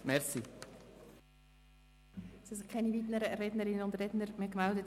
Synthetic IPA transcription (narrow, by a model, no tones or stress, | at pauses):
mɛɾsi | sɪskʰɛnivitnəɾəɾɛdnəɾɪnənʊndrɛdnəɾmekmɛldət